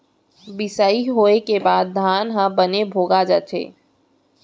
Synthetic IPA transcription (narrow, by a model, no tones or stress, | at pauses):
bɪsaːiɦoːekebaːd̪̚ːʱaːnɦə̃bənebʱoːɡad͡ʒat̪ʰḛː